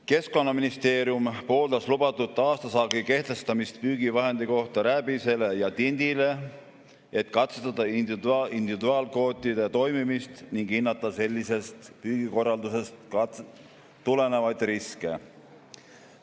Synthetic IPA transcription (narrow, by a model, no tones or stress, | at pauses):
ke̞sko̞nːɑminist̪e̞ːɾjumpo̞ːld̪ɑslubɑt̪ːˑut̪ˑːɑːst̪ɑsɑɡike̞ht̪e̞st̪ɑmist̪̚pyːɡ̥ivɑɦe̞nd̪̥iko̞ht̪ɑɾæbise̞le̞jɑt̪ind̪̥ile̞ | e̞t̪ːˑkɑt̪set̪ɑd̪̥ɑind̪ivd̪ind̪ivid̪uɑːlko̞ːt̪ʲˑːid̪̥et̪o̞jmimist̪niŋɡ̥inːɑt̪ːˑɑse̞lʲːise̞st̪pyːɡ̥iko̞rːɑld̪use̞st̪ | t̪ːule̞ne̞vɑjd̪̥riskḛ